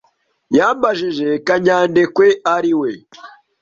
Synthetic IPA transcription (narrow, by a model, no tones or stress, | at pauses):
jaːmbaʒiʒekaɲaːndekweaɾiwe